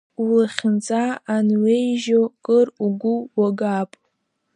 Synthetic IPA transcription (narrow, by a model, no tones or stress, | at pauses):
ulaχʲɪnt͡sʼaːnwejʒokʼɨruɡʷʊwaɡapʼ